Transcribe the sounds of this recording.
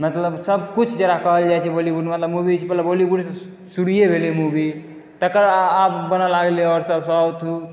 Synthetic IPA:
mət̪ləbsəb̚kut͡ʃʰd͡ʒeɾakəɦəld͡ʒajt͡ʃʰɛbolibuɖmət̪ləbmubit͡ʃʰpət̪ləbolibuɽs | suɽijebʱelimubi | t̪əkəɾapbənalaɡleɔɾsəbsɔt̪ʰu

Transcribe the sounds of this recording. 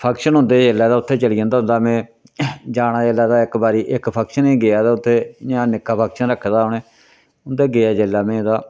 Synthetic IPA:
pʰəkʃənɦʊ̃nd̪eːd͡ʒelːaːd̪aːʊt̪ʰːeːt͡ʃəlijãːnd̪aːɦʊnd̪aːmɛ̃ː | d͡ʒaːnãːd͡ʒelaːd̪aːɪkbaːɾiːʔɪkpʰəkʃənẽːɡeaːd̪aːʊt̪ʰːeːjãːnɪkːaːpʰəkʃənɾəkʰːd̪aːʊneː | ʊnd̪eːɡeaːd͡ʒeːlːaːmẽːd̪aː

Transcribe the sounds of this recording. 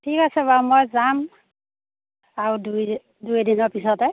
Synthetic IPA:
tʰikasɛbamojzam | aɹudu | dujdinɔɹpisɔtɛ

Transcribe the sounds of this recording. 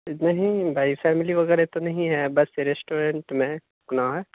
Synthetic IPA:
nɐɦĩbʱaifʰɛːmiliʋɐɣɛɾet̪onɐɦĩɦɛbɐseɾesʈoːɾeɳʈmẽ | kʊnaɦɛ

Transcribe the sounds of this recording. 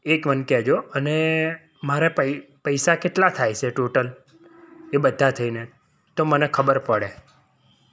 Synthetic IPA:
ekʋənkɛd͡ʒoəne | maɾepəpəjsakeʈlat̪ʰajt͡ʃʰeʈoʈəl | ebəd̪ʱːat̪ʰəine | t̪omənekʰəbəɾpəɽe

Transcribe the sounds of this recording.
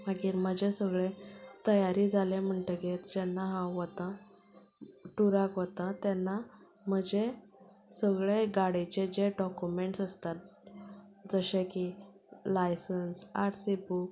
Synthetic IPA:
ɦəɡiɾməd͡ʑesəɡɭet̪əjaɾid͡zʱalem̤əɳʈəɡeɾd͡ʑɛnːaɦãʋət̪ã | ʈuɾakʋət̪ãt̪ɛnːa | m̤əd͡ʑe | səɡɭeɡaɽet͡ɕed͡ʑeɖɔkumeɳʈsəst̪at̪̚ | d͡zəɕeki | lajsənsaɾsibuk

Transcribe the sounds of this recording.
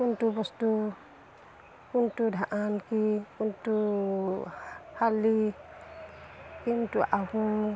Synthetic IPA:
kuntubɔstu | kuntudʱaʔankikuntu | halːi | kintuʔaɦu

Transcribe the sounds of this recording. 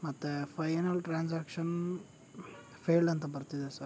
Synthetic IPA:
mɐt̪ːepʰɐjnɐlʈɾaːnsaːkʂɐn | pʰeːlɭɖɐnt̪ɐbɐɾt̪id̪esɐɾ

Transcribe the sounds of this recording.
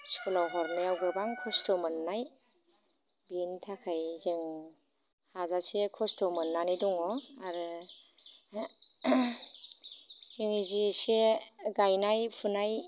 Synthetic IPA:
skʰulawɦɔɾnɯjawɡɯbaŋkʰɔstɔmɯnːaj | bintʰakʰajziŋ | hazasekʰɔstɔmɯnːaniduŋɔaɾɯ | z̥iŋziseɡajnajpʰunaj

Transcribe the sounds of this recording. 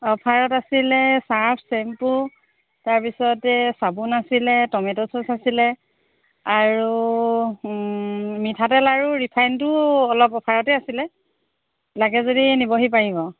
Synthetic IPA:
ɔpʰaɹɔtasilɛsaɹpʰsɛmpu | taɹpisɔtɛsabunasilɛtɔmɛtɔsɔsasilɛ | aɹu | mitʰatɛlaɹuɹipʰajntʊɔlɔpɔpʰaɹɔtɛasilɛ | laɡɛzodinibɔɦip̬aɹibɔ

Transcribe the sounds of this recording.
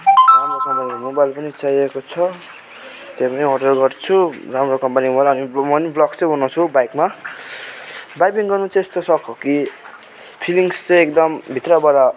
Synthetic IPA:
ramrokʌmpanimobajlpʌnit͡sajekot͡sʰʌ | t̪epʌniɦoʈʌlɡʌrt͡sʰuramrokʌmpanimobajlʌnimʌniblʌkt͡sʌjɦunʌt͡sʰubajkma | bajpiŋɡʌrnut͡sʰʌest̪osʌkʰoki | pʰiliŋst͡sʌekd̪ʌmbʱit̪rʌbʌɾa

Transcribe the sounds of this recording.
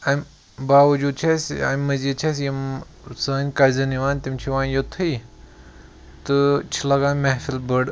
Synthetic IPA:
ɐm | baːʋɐd͡ʒuːd̪̚t͡ʃʰɐsa̰mmːɐzid̪̚t͡ʃʰɐsjɐm | sɐːnʲkɐzɐniʋaːnʲt̪imt͡ʃʰiʋãːnjot̪ʰɨi | t̪ɨt͡ʃʰilɐɡaːnʲmɐɦfilbəɽ

